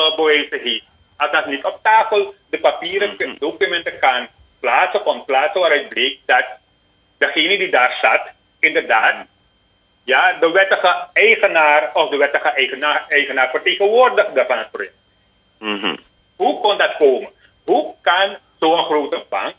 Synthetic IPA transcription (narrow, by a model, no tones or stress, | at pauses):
bəʋɛːsəɦeːf | asdatnitɔp̚taːfəlˠdəpapiːrədokymɛntəkan | plaːtsəkɔməplaːtsəʋaːɾɛt̚bleːk̚dat | dəχeːnədidaːrsat | ɪndərdaːt | jadəʋɛtəχəɛjχənaːrɔfdəʋɛtəχəʔɛjχənaɛjχənaːrfərteːχənʋoːərdəχdərfanətprojɛk̚t | ɦukɔndatkoːmə | ɦukan | soːənχroːtəba̰ŋk